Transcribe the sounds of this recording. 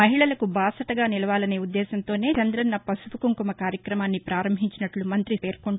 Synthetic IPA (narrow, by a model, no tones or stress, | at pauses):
ɐɦiɭɐlɐkubaːsɐʈɐɡaːnilɐʋaːlɐne̞ːud̪ːɛːsɐnt̪o̞ːne̞ːt͡ʃɐnd̪ɾɐnːɐpɐsupukuŋkumɐkaːɾjɐkɾɐmaːnːipɾaːɾɐmbʱiɲt͡ʃinɐʈlumɐnt̪ɾipeːɾkoɳ